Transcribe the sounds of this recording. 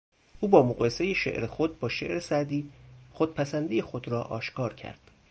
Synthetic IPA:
ʔuːbɒːmoɣɢɒːjese̞jeʃḛʔɾexod̪̚bɒːʃe̞̰ʔɾe̞sæɾd̪iːxod̪̥̚pʰæsænd̪ije̞xod̪ɾɒːʔɒːʃkʰɒːɾcʰæ̰ɾd̪̥

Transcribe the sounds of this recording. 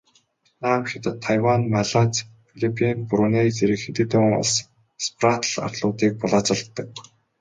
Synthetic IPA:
naːmxit̪ə̆t̪ʰːajwanmaɮat͡sfiɮipʰinpuɾʊːnejt͡seɾɘ̆kxet̪ɘ̆t̪ʊːŋʊ̰ɮs | sprat̪əɮa̰r̥t̪ɮʊːt̪iːk̚pʊɮaːt͡sə̆ɮt̪ːə̆k̚

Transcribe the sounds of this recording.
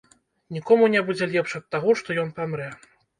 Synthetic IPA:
nʲikɔmunʲɛbud͡zʲɛlʲɛpʂɐt̪̚t̪ːaɣɔʂt̪ɔjɔnpamɾɛ

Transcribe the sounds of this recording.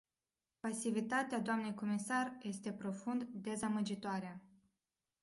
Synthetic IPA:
pasivit̪at̪ead̪oamne̞jko̞misarje̞st̪e̞pɾo̞fund̪d̪e̞zaməd͡ʒit̪oaɾea

